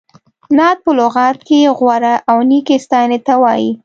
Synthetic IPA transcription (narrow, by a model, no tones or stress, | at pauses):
nɑt̪̚pəlʊɣɑt̪keɣwaɾaʔawnikest̪ɑnet̪awɑji